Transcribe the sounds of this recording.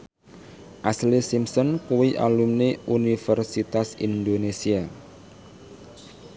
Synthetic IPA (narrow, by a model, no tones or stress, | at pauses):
ʔaslisimsɔnkuwiʔa̰lumneʔunifərsit̪asḭnd̪onesia